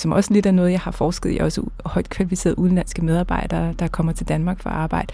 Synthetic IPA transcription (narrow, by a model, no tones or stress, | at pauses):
sɒ̽mʔɒ̽səle̝dænɔ̽ːð̞̩ˠjɑ̈ɪhɑ̈fɒːsɡ̥əðˠḭʔɒ̽səhɒ̽ɪ̰d̥̚kʰʋælifise̝̰ːðˠuðˠnlæn̰sɡ̥əmeð̞ˠɑb̥ɑ̈ɪ̰d̥ɐːd̥ɑ̈kʰɒ̽m̰ɐt͡sʰe̝ld̥ænmɑ̈ːɡ̥fɒɑ̈ːb̥ɑ̈ɪ̰d̥ə